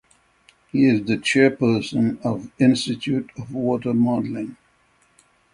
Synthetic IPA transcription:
hiɪzðɨt͡ʃʰɛɹpə˞sə̃nʌvɪ̃nstɨtʰutʌvwɔtə˞mɔdlɪ̃ŋ

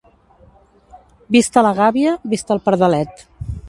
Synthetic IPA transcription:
bist̪ələɣaβiəβist̪əlˠpəɾðəlɛt̪

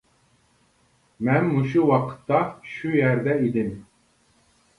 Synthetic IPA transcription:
mænmuʃ̬uwɑqʰɯ̥t̪ːɑʃujæɾd̪ɛid̪im

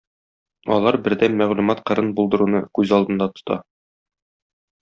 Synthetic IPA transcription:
ɒ̰lˠɑɾbɘ̆ɾd̪ænmæʁlumɑt̪qɤ̆ɾɤnbulˠd̪ɤ̆ɾunɤkʉzɒlˠd̪ɤ̆nd̪ɑt̪ŏ̥t̪ɑ̰

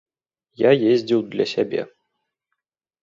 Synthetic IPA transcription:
jajezʲdʲɪlˠd̪lʲɐsʲabʲḛ

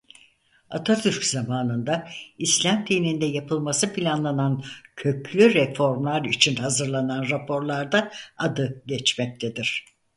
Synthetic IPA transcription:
at̪ʰat̪ʰyɾczamaːnɯnd̪aislʲamt̪ʰinind̪ɛjapʰɯlˠmasɯpʰilʲanlˠanancʰø̞clʲyɾɛfo̞ɾmlˠaɾit͡ʃʰinhazɯɾlˠananɾapʰo̞ɾlˠaɾd̪aad̪ɯɟɛt͡ʃmɛc̚t̪ʰed̪iɾ̥

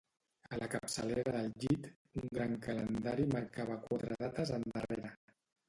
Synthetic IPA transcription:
əlʔəkəpsəleɾəðəlˠʎit̪ | uŋɡɾaŋkələnd̪aɾiməɾkaβ̞əkwat̪ɾəðat̪əzənd̪əreɾə

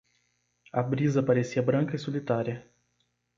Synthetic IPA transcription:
abɾizɐpaɾesiɐbɾɐ̃ŋkɐisolit̪aɾiɐ

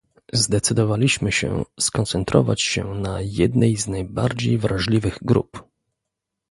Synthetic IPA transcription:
zd̪ɛt̪sɘd̪ɔvalʲiɕmɘɕɛ̰skɔnt̪sɛnt̪ɾɔ̰va̰t͡ɕɕɛnajɛd̪nɛjznajbaɾd͡ʑejvɾaʐlʲivɘɣɡɾṵp

